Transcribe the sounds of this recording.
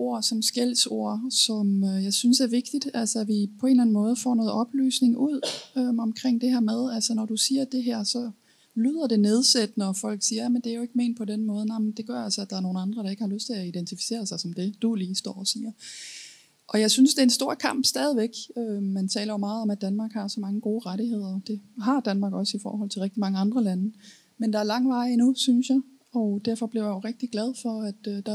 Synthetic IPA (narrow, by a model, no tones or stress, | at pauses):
o̝ɐ̰sɒ̽msɡ̥el̰so̝ɐ̰sɒ̽møjɑ̈ɪsynsæɐʋe̝ɡ̥̚d̥id̥ælsəæʋipʰɒ̽e̝ːnlæn̩mɔ̽ːð̞̩ˠfɒ̰ːnɔ̽ːð̩ˠɒ̽b̥ly̰ːsne̝ŋʔuð̞̰ˠøɒ̽mkʰʁeŋ̰d̥e̝hæɐ̰með̞ˠælsənɒd̥usiːɐd̥e̝ɦæɐ̰sɒ̽ | lyð̞̰ˠɐd̥e̝ne̝ð̞ˠsed̥ənəɒfɒ̽l̰ɡ̥siːɐjæmənd̥e̝æjo̝e̝ɡ̥me̝̰ːn̥̚pʰɒ̽denmɔ̽ːðˠnɑɪmənd̥e̝ɡ̥ɶɐ̰ælsəæd̥ɑ̈æɐno̝ːn̩ɑ̈nd̥ʁɐɾ̥ɑ̈e̝ɡ̥əhɑ̈løsd̥t͡sʰe̝æid̥ent͡sʰifi̥se̝̰ːɐsɑ̈ɪsɒ̽md̥e̝d̥uliːsd̥ɒ̰ːɒsiːɐ | ʔɒ̽jɑ̈ɪsynsd̥e̝ensd̥o̝ɐ̰kʰɑ̈m̰b̥sd̥ɛːð̞ˠiʋeɡ̥ømænt͡sʰɛ̰ːlɐjo̝mɑ̈ːð̞̩ˠɒ̽mæd̥ænmɑ̈ːɡ̥hɑ̈sɒ̽mɑ̈ŋəɡ̥o̝ːʁaɾiɦe̝ð̞̰ˠɐd̥e̝ɦɑ̈d̥ænmɑ̈ːɡ̥ɒ̽sifɒ̰ːhɒ̽l̰t͡sʰe̝lʁeɡ̥d̥imɑ̈ŋəɑ̈nd̥ʁɐlænə | mend̥ɑ̈æɐlɑ̈ŋ̰ʋɑ̈ɪinusynsjɑ̈ɪ | ɒ̽d̥æɐ̰fɒ̽b̥liɐjaoʁɛɡ̥̚d̥iɡ̥læð̞ˠfɒ̽æd̥d̥ɑ̈